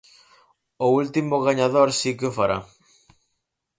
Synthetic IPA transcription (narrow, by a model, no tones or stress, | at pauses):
ʊult̪imʊɣaɲaðoɾsikeofaɾa̰